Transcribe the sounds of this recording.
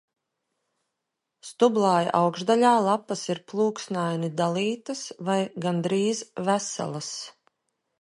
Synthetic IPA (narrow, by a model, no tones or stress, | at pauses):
st̪ublˠaːj̰ʔawɡʒd̪alʲaːlˠapːasiɾplˠuːksnajnid̪alˠiːt̪əsvajɡand̪ɾiːzvæsa̰lˠɐs